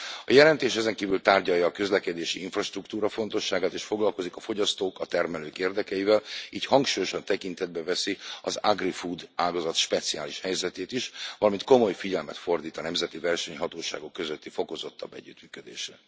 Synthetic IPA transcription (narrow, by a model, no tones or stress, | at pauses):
ɒjɛlɛnt̪eːʃɛzɛŋkiːvylt̪aːrɟɒjːɒːkøzlɛkɛd̪eːʃiiɱfrɒʃt̪rukt̪uːɾɒfo̞nt̪o̞ʃːaːɡaːt̪eːʃfo̞ɡlɒlko̞zikɒfo̞ɟɒst̪oːkɒt̪ɛrmɛløːkeːrd̪ɛkɛjivɛliːchɒŋkʃuːjo̞ʃɒnt̪ɛkint̪ɛd̪̚bɛvɛsiɒzaɡrifud̪aːlɡɒzɒt̪ʃpɛt̪siaːliʃhɛjzɛt̪eːt̪iʃvɒlɒmint̪̚ko̞mo̞jfiɟɛlmɛt̪fo̞rd̪iːt̪ɒnɛmzɛt̪ivɛrʃɛɲɦɒt̪oːʃa̰ːɡo̞kːø̞zøt̪ːifo̞ko̞zo̞t̪ːɒ̰bːɛ̰ɟːyt̪myːkød̪ḛːʃrɛ